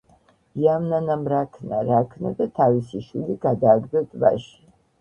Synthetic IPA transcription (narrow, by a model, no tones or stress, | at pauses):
iamnanamɾakʰnaɾakʰnad̪at̪ʰavisiʃwiliɡ̥ad̪aːɡd̪ɛt̪ʼva̰ʃi̥